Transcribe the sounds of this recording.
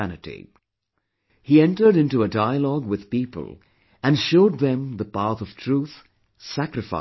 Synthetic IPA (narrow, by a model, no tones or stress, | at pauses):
ænɨtḭ | hiɛ̃nʈə˞ɾɪ̃ntuədaɪəlɔɡwɪð̥piːpə̰lˠ | æ̃nʃoʊd̪̚ðɛ̃mðəpæθʌv̥tʰɹ̥uːθ | sækɾɨfa̰